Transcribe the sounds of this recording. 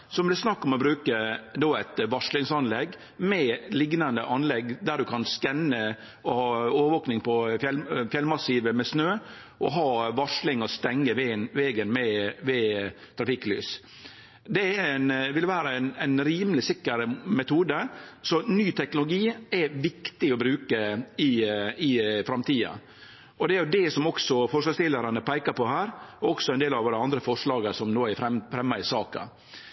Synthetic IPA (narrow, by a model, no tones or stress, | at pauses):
sɔmb̪lɛsnɑkːɔmɔbɾʉːkəd̪oːæɪt̪ʋɑʂlɪŋsɑnlɛɡ | mɛlɪɡnɑnd̪əʔɑnlɛɡd̪æɖʉkʰɑnskɛnːə | ɔhɑːoːʋəɾʋoːknɪŋpʰɔfjɛlfjɛlmɑsiːʋəmɛsnøː | ʔɔ̰ɦɑːʋɑʂlɪŋɔst̪ɛŋːəʋʋɛɡənmɛʋɛ | t̪ʰɾɑfɪkːly̰ːs | d̪ɛæɾɛnʋɪlʋæːɾəɛnænɾiːməlɪsɪkːəɾmɛt̪ʰuːd̪əsɔnyːt̪ʰɛknʊlʊɡiːɛʋɪkt̪ɪɔbɾʉːkəɪɪfɾɑmt̪iːɑ̰ | ɔd̪ɛæɾjʊd̪ɛsɔmɔksɔfɔʂlɑːɡst̪ɪləɾɑnəpʰæɪkɑɾpɔhæːɾɔɔksɔɛnd̪eːlɑʋoːɾəɑnd̪ɾəfɔʂɭɑːɡəsɔmnoːæfɾɛmfɾɛmːɑɪsɑːkɑ̰